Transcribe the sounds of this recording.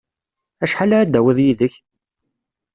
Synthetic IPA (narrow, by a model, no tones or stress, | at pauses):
æʃħalaɾæd̪æwəðjiðəç